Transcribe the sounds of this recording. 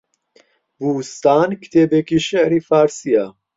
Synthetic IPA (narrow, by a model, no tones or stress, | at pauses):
vuːst̪aːnkt̪ʰebekiʃeʔɾifaɾsia